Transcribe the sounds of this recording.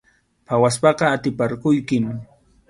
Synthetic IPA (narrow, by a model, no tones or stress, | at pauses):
pawaspɑqɑat̪ɪpaɾkʊjkɪm